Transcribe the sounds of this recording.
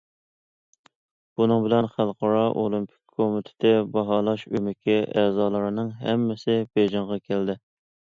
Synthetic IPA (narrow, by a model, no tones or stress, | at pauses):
b̥unɨŋbɪlɛnχælˠqʰɑɾɑʔolˠɪmpʰɪ̥k̚ʲkʰːomɪt̪ʰɪ̥t̪ʰɪbɑɦɑlˠɑʃymɪkʲʰɪɛzɑːlˠɨɾɨnɨŋɦɛmːɪsɪbeʒɑɴʁɑkʲʰæld̪ɪ